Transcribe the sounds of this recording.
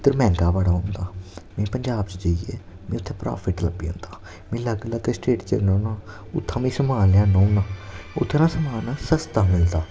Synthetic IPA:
t̪əɾmɛ̃ːŋkaːbaːɽaːɦõːnd̪aːmɛ̃ːpəɲd͡ʒaːb̚t͡ʃd͡ʒəiḛː | mɛ̃ːʊt̪ʰːẽːpɾa̰ːpʰɪʈlə̰biːõ̰ːnd̪aː | mẽːləɡlaːt̪eːsʈeːʈt͡ʃə̰nõːnaː | ʊ̰t̪ʰːãːmĩːsəmaːljãːnõːunãːʊ̰t̪ʰːenãːsəmaːnaːsəst̪aːmɪld̪aː

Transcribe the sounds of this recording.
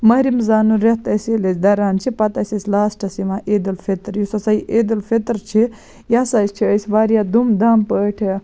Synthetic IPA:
mɐɦɾimzaːnuɾeht̪ɐselɐsʲd̪ɐɾaːnt͡ʃʰipɐt̪ɐsʲɐsʲlaːsʈʰɐsiʋãːʔeːd̪ɐlfet̪ɾjusɐsɐiʔeːd̪ɐlfʰet̪ɾt͡ʃʰi | jasɐːst͡ʃʰiəsʲʋaːɾjaːd̪umd̪aːmpəːʈʰi

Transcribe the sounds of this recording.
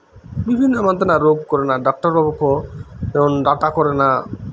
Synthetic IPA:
bibʱinːɔmant̪enaɾoɡkɔɾenaɖak̚ʈaɾbɔbokʰɔemonɾaʈakɔɾena

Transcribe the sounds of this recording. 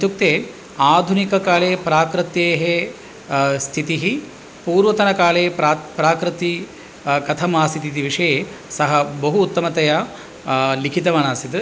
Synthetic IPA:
t̪juk̚t̪eː | aːd̪ʱunikɐkaːɭeːpɾaːkɾɨt̪jeːɦe | st̪ʰit̪iɦi | puːɾʋɐt̪ɐnɐkaːɭeːpapɾaːkɾɨt̪i | kɐt̪ʰɐmaːsit̪it̪iʋiʂɐjesɐɦɐbɐɦuːt̪ːɐmɐt̪ɐja | likʰit̪ɐʋɐnaːsit̪ɨ

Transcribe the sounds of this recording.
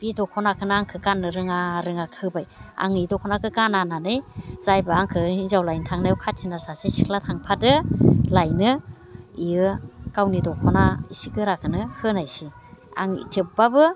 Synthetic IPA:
b̥idɔkʰɔnakʰɯnaaŋkʰɯkanːɯɾɯŋaɾɯŋakʰɯbaja̰ŋidɔkʰɔnakʰɯkanananɯjzajbaaŋkʰɯizawlajntʰaŋnajwkʰatsʰinasasasikʰlatʰaŋpʰatɯlajnɯ | iɯkawnidɔkʰɔnaisikɯɾakɯnɯhʰɯnajsi | a̰ŋḭtʰip̚babɯ

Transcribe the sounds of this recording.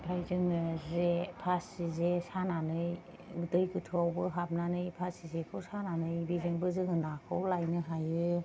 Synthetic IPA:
lajzɯŋɯzepʰasizesananɯj | dɯjɡɯtʰɯawbɯɦap̚nanɯjpʰasizekʰɯwsananɯjbezɯŋbɯzɯŋɯnakʰɯwlajnɯɦajɯ

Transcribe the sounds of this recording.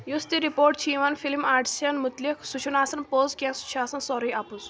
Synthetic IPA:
just̪iɾipoɾʈ̚t͡ɕʰiʋanfilmaːʈʰsanmut̪liksut͡ʃʰunaːsɐnpozkʲasu̥t͡ʃʰaːsɐnsɔɾɐjapuz

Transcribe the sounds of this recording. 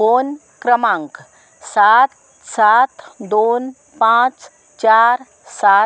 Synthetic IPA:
oːn | kɾəmãŋk | sat̪ | saːt̪d̪oːn | pãːt͡ʃ | t͡ʃaːɾ | saː

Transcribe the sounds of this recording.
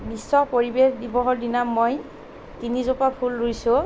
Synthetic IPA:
bisːɔpoɹibexdibɔɦɔɹdinamːoj | tinizopapʰulɹojsʊ̃

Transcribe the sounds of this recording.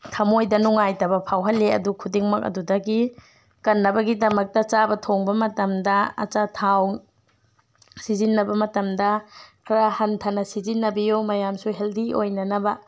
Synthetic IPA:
tʰɐmojdɐnuŋajtɐbɐpʰawɦɐlːeɐ̰dukʰudiŋmɐk̚ɐ̰dudɐɡi | kɐnːɐbɐɡidɐmɐk̚tɐt͡ʃabɐtʰoŋbɐmɐtɐmdɐɐ̰t͡ʃatʰaw | sizinːɐbɐmɐtɐmdɐkʰɾahɐntʰɐnɐsizinːɐbijumɐjamsuɦeldiʔojnɐnɐbɐ

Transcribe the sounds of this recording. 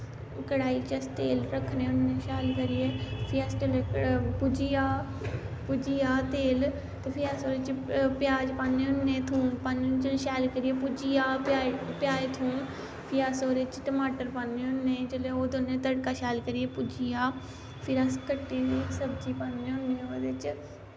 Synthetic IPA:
kəɽaːit͡ʃəst̪eːlɾəkʰneːʊnːẽːʃaːlkəɾɪjeːpʰɪəsʈəlepʊd͡ʒijaː | pʊd͡ʒiːjaːt̪eːl | t̪eːpʰɪjaːsoːɾeːt͡ʃpɪjaːd͡ʒpaːnːẽːʊnːẽːt̪ʰũːmpaːnent͡ʃəlʃɛːlkəɾɪepʊd͡ʒijaːpapɪjaːeːt̪ʰũːm | pʰɪɾaːsoːɾeːt͡ʃʈəmaːʈəɾpaːnːeːʊnːeːd͡ʒeleːoːd̪onːẽːt̪əɽkaːʃɛːlkəɾijeːpʊd͡ʒijaː | pʰɪɾəskəʈːiːniːsəbd͡ʒiːpaːnːẽːʊnːẽːoːd̪et͡ʃ

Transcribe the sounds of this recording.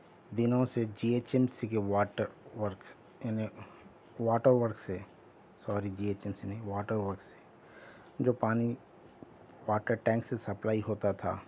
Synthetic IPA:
d̪ɪnõsed͡ʒiːeːt͡ʃɛmsikewaːʈəɾʋəɾkː | ni | ʋaːʈəɾʋəɾkse | sɔːɾid͡ʒiːeːt͡ʃɛmsineʋaːʈəɾʋəɾkse̥ | d͡ʒoːpaːni | waːʈəɾʈɛ̃ːŋksesɐplaːiɦoːt̪at̪ʰa̰ː

